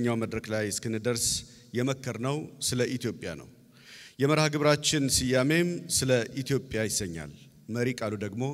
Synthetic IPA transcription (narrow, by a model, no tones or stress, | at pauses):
ɲːawməd̪ɾəklajskɨnɨd̪əɾs | jɛməkʰːəɾnəwsɨləʔit̪jo̞pʼːja̰nə̰w | jɛməɾhaɡɨβɾat͡ʃːɪnsɨjame̞msɨləʔit̪ʰijo̞pʼːjajɪsːəɲːa̰l | məɾikʼalud̪əɡmo̞